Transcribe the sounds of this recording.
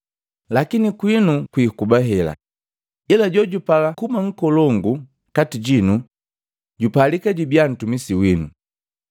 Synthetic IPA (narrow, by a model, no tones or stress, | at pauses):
lakinikwinukwiːkubaɦɛla̰ | ilaɟɔɟupalakumaŋ̩kɔlɔŋɡu | katiɟinu | ɟupalikaɟibjan̩tumisiwinu